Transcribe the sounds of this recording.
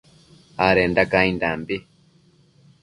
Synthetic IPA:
aɾɛːndakaindambi

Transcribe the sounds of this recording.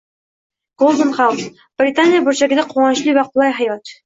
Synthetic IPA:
ɡ̥olˠd̪onχɑws | b̥rʲɪt̪anʲɪjabɵɾʃæɡɘ̆d̪æqʰuʁɑn̆ɕlʲˠiwæqolˠɑjɦɑjɑt̪

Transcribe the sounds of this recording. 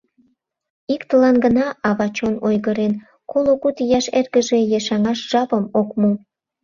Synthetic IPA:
ikt̪əlɑnɡənɑɑβɑt͡ɕonojɣəɾen | koloɣut̪jɑʃerɣəʒejɑʃɑŋɑʃʒ̥ɑpəmokmo

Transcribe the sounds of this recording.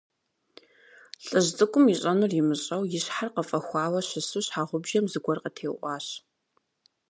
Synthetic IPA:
ɬʼɨʑt͡sʼɨkʷʼʊmiɕʼɐnurjɪmɨɕʼɐwjɪɕħarqəfʼɐxʷɑːwɐɕɪsuɕħaːʁʷʊbʒɐmzɨɡʷɔrqətʰeːwʔʷɑːɕ

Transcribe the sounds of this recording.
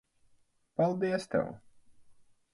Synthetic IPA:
palˠd̪iɛst̪ɛ̰w

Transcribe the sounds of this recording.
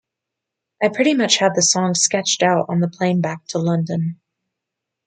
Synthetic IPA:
ʔaɪpʰɹ̥ɪɾimʌt͡ʃhɨd̪̚ðɨsɔ̃ŋskɛt͡ʃtaʊɾn̩ðəpʰl̥ẽɪ̃nbæk̚tʰəlʌ̃ndɨ̃n

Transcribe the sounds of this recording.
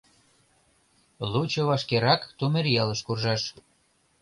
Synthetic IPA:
lut͡ɕoβɑʃkeɾɑkt̪umerjɑləʃkurʒɑʃ

